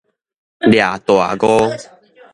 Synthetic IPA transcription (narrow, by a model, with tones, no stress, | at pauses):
lja˨˩t̪o˨a̰˨ɡo˦